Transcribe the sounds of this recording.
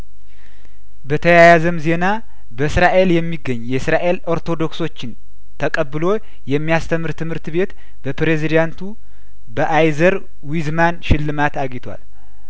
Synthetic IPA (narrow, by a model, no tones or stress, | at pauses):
bət̪ʰəjajazəmze̞na | bəsɾaʔe̞ljɛmːiɡːəɲːjɛsɾaʔe̞lo̞ɾt̪ʰo̞d̪o̞kso̞t͡ʃːɪn | t̪ʰəkʼəbːɨlo̞ | jɛmːijast̪ʰəmːɨɾt̪ʰɨmhɨɾt̪βe̞t̪ | bəpɾe̞zid̪ant̪ʰu | bəʔajzəɾ | wizmanʃɪlːɨmat̪aɡɪt̪ʰwa̰l